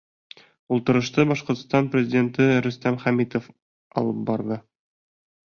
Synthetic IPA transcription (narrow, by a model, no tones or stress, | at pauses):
ulˠt̪ɤ̆ɾɤ̆ʃt̪ɤbɒʃqŏɾt̪ə̥̆st̪ɑnprʲɪzʲɪdʲe̞nt̪ɘɾɵ̆st̪æmχæmit̪of | ɒ̰lˠɤp̚bɒɾðɤ